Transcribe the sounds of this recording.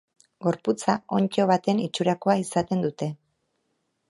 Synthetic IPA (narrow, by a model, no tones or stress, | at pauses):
ɡo̞ɾput͡sao̞ɲt͡ʃo̞βat̪e̞nit͡ʃuɾako̞aisat̪e̞nd̪ut̪e̞